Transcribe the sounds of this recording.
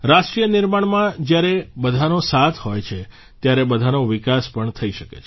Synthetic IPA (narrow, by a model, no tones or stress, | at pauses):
ɾaʃʈɾijənɪɾmaɳmãd͡ʒjaɾebəd̪ʱanõsat̪ʰhojt͡ʃʰe | t̪jaɾebəd̪ʱanõʋɪkaspəɳt̪ʰəiʃəkḛt͡ʃʰ